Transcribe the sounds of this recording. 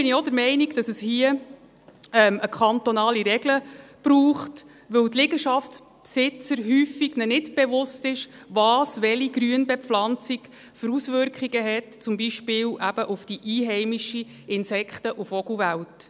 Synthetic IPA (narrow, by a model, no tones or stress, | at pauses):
b̥ɪniodəɾmɛɪniɡd̥ɑsəshiə | ɛməkʰχɑnt̪ɔnɑːliɾɛɡləb̥ɾuːχt | ʋɵwt̪lɪɡəʃɑfts | psɪt͡səɾɦyːfiɡ̥nɛnɪtb̥evʊstɪʃ | ʋɑːsʋɛliɡɾyənbɛflɑnt͡sik | føɾusvʏɾkχiɡəɦɛtt͡sʊmbiʃpɪːwʔæb̥əʔufd̥iʔiːɦɛɪmiʃi | ɪnsɛkχtəʔufɔɡuvæwt